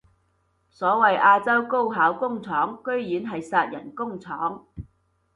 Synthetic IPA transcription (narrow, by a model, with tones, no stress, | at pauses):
sɔː˨˥wɐ˨jʔaː˧t͡sɐ˥wko˥wɦaː˨˥wkʊ˥ŋt͡sʰɔː˨˥ŋkɵ˥ɥjyː˨˥nɦɐ˨jsaː˧t̚jɐ˨˩nkʊ˥ŋt͡sʰɔː˨˥ŋ